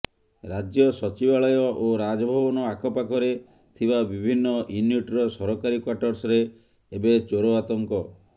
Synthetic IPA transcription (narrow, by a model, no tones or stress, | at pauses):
ɾad͡ʒjɔsɔt͡ʃibaɭɔjɔʔoɾad͡ʒɔbʱɔbɔnɔakʰɔpakʰɔɾe | t̪ʰibabibʱinːɔʔinjuʈɾɔsɔɾɔkaɾikwaʈɔɾsɔɾe | ebet͡ʃoɾoat̪ɔŋkɔ